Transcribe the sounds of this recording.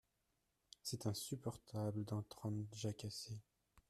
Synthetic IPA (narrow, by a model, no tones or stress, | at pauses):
sɛt̪ɛ̃sypɔʁt̪ʰabləd̪ɑ̃t̪χɑ̃ʒakase